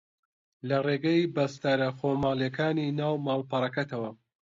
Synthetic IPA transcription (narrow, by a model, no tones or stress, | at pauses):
lɐreːɡɐibɐst̪aɾɐxoːmaːljekaːniːnaːwmaːlpɐɾɐkɐt̪ʰɐwɐ